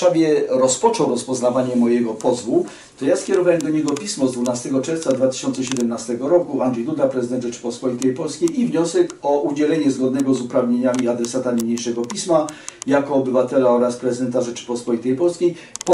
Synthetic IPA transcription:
avʲjɛɾɔspɔt͡ʂɔwɾɔspɔznavaɲɛmɔjɛɡɔpɔzvu | t̪ɔjaskʲɛɾɔvawɛmd̪ɔɲɛɡɔpʲismɔzd̪vunast̪ɛɡɔt͡ʂɛɾft̪sad̪vat̪ɘ̥ɪ̥ɕɔnt̪sɛɕɛd̪ɛmnast̪ɛɡɔɾɔkuand̪ʐɛjd̪ud̪lapɾɛzɘd̪ɛnd̪ʐɛt͡ʂɘ̥pɔspɔlʲit̪ɛjpɔlskʲejivɲɔsɛkɔʔud͡ʑɛlɛɲɛzɡɔd̪nɛɡɔzupɾavɲeɲamʲiad̪ɾɛsat̪aɲeɲejʂɛɡɔpʲismajakɔːbɘvat̪ɛlaɔɾaspɾɛzɨɘd̪ɛnt̪aʐɛt͡ʂɘ̥pɔspɔlʲit̪ɛjpɔlskʲej | p

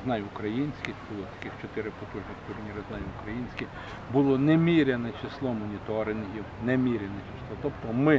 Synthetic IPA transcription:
znɑjʊkɾɐjinʲsʲkʲɪxbʊlˠɔt̪ɐ̥kʲɪxt͡ʃɔt̪ɪɾɪpɔt̪uʒnɪxt̪ʊrnʲiɾɪznɑjʊkɾɐjinʲsʲkʲɪx | bʊlˠɔnɛmʲiɾʲɛnɛt͡ʃɪslˠɔmɔnʲit̪ɔɾɪnɦʲiwnɛmʲiɾʲɛnɛt͡ʃɪslˠɔt̪ɔpt̪ɔmɪ

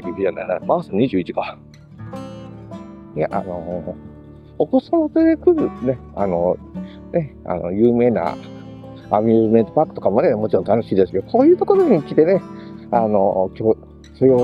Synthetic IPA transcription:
ikʲiʑana̰inamasãɲiʑɨːit͡ɕi̥ka | jaʔa̰no̞ | okosamot̪eɾekɯ̟ɾɯnea̰no̞ | ne̞a̰no̞̰jɯ̟ːme̞ːna̰ | amʲime̞nt̪opakɯ̥t̪o̞kamo̞ne̞mo̞t͡ɕiɾõ̞nt̪ano̞ɕiːd̪esɨ̥keoko̞ːjɯ̟ːt̪o̞ko̞ɾo̞ɲ̟ikʲit̪e̞ne̞ano̞kʲoː | sojo

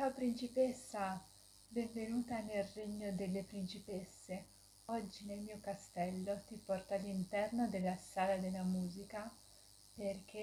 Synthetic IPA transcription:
t̪apɾint͡ʃipesːa | bɛɱvenuːt̪anelreɲːod̪elːepɾint͡ʃipesːe | ɔd͡ʒːinelmiːokast̪ɛlːot̪ipɔrt̪aːlːint̪ɛrnod̪elːasaːlad̪elːamuːzika | perk̟ʰe

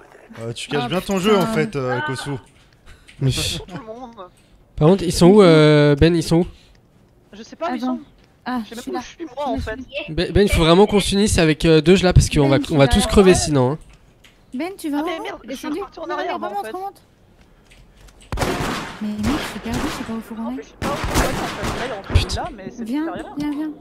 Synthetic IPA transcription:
øt̪y̥kaʃbjɛ̃t̪ɔ̃ʒøɑ̃fɛt̪økosu | mɛ | paʁkɔ̃t̪χilsɔ̃uøbɛnilsɔ̃u | ʒd̪̃ | a | bɛbɛnilfovʁɛmɑ̃kɔ̃synisavɛkød̪øʒlapaʁsə̥kəɔ̃vaɔ̃vat̪uskχəvesinɔ̃ɛ̃ | bɛnt̪yvad̪esd̪ynɛɔ̃ɔ̃t̪ | mɛmɛ̃t̪sipɛʁd̪ysipaofuʁɔnɛ | py̥t̪vjɛ̃vjɛ̃vjɛ̃

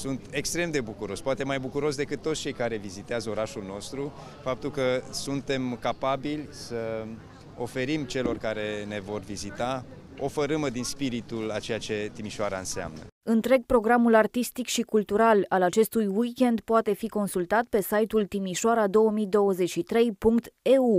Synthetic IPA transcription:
sunt̪ekst̪ɾe̞md̪e̞bukuɾo̞spoat̪e̞majbukuɾo̞sd̪e̞kɨt̪ːot̪sʲt͡ʃe̞jkaɾe̞vizit̪eazəo̞ɾaʃulno̞st̪ɾu | fap̚t̪ulkəsunt̪e̞mkapabilʲsə | o̞fe̞ɾimt͡ʃe̞lo̞rkaɾe̞ne̞vo̞rvizit̪a | o̞feɾɨməd̪inspiɾit̪ulat͡ʃe̞jat͡ʃe̞t̪imiʃoaɾaɨnsea̰mnə̰ɨnt̪ɾe̞ɡ̚pɾo̞ɡɾamulart̪ist̪ikʃikult̪uɾalalat͡ʃe̞st̪ujwikʲe̞nd̪poat̪e̞fiko̞nsult̪at̪̚pe̞sajt̪ult̪imiʃoaɾad̪o̞wəmijd̪o̞wəze̞t͡ʃʲʃit̪ɾe̞jpuŋkt̪eu

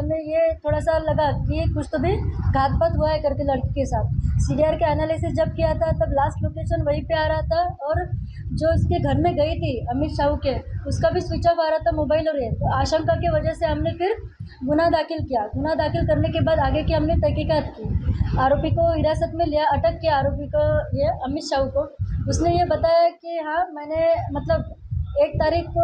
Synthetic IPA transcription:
ɦɐmnejet̪ʰoːɽasalɐɡakikʊt͡ʃʰt̪obʱiɡʱaːt̪̚pət̪ɦuaɦɛkɐɾt̪elɐɽkkesaːt̪̚ʰsiːɖijaːɾkeɛːnaːlɪsɪsd͡ʒɐb̚kijat̪ʰat̪ɐblaːsʈloːkeːʃənʋɐɦipeaːɾɐɦat̪ʰaɔːɾ | d͡ʒoːɪskeɡʱɐɾmẽɡɐit̪ʰiɐmɪt̪ʃaːɦukeʊskabʱisʋɪt͡ʃəʋaːɾaat̪ʰamoːbaːɪlɔːɾet̪oaːʃə̃ŋkakeʋɐd͡ʒɛɦseɦɐmnepʰɪɾ | ɡʊnad̪aːxɪlkijaɡʊnad̪aːxɪlkɐɾnekebaːd̪aːɡekiɦɐmnet̪ɛɦkikaːt̪kiaːɾoːpikoɦɪɾaːsət̪mẽlijaɐʈəkːeaːɾoːpikoeɐmɪt̪ʃaːɦukoʊsnejebɐt̪aːjakiɦãːmɛːnemɐt̪ləbeːk̚t̪aːɾiːkko

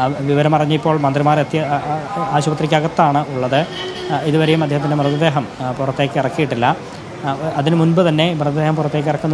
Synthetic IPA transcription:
ʋiʋɐɾɐmɐrɐɲːipːo̞ːɭmɐnd̪rimaːret̪ːjɐaːɕubɐt̪rikʲːaːɣɐt̪ːaːɳɨʔuɭːɐðɨiðuʋɐɾejumɐd̪ʱjeːɦɐt̪̬ːindemrɨðɐd̪e̞ːɦɐmpurɐt̪ːe̞ːkːɨirɐkːijiʈːilːɐ | ɐðinɨmunbɨt̪ɐnːe̞mrɨðɐd̪eːɦɐmpurɐt̪ːe̞ːk̬ːirɐkːunːɐ

